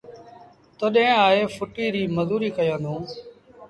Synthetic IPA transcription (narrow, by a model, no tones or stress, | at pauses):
t̪oɗɦẽːaːɦeːfʰʊʈiːɾiːməzuːɾiːkəjãːd̪õː